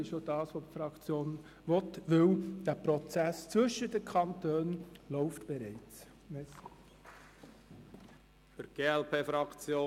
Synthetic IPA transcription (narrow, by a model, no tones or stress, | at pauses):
ɪʃjod̥ɑːsʋoːpfɾɑkt͡sjoːn | ʋɔtʋɪwd̥æːpɾɔt͡sæst͡sʋʏʃədəkʰɑntøːnlɔʊftb̥ɛɾɛɪt͡s | mɛs | əɾɡ̥eːɛlpʰeːfɾɑkt͡sjoː